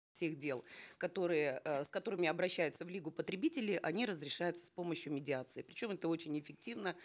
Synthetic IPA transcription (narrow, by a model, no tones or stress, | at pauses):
sʲe̞xdʲe̞lˠkɐt̪o̞ɾɨjəskɐt̪o̞ɾɨmʲɪɐbɾɐɕːæjʊt̪səvlʲiɡʊpət̪ɾʲɪbʲitʲɪlʲɪʔɐnʲiɾəzɾʲɪʂajʊt̪sə̥spo̞məɕjʊmʲɪdʲɪat̪sɨɪpɾʲɪt͡ɕo̞mɛt̪əo̞t͡ɕɪnʲɪfʲɪk̚tʲivnə